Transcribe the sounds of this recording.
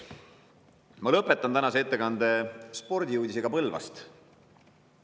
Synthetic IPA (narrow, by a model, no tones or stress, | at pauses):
mɑlɤpːˑe̞t̪ːˑɑnt̪ænɑseet̪ːe̞kɑnd̪e̞spo̞rd̪ʲijuːd̪ʲiseɡ̥ɑpɤlvɑ̰st̪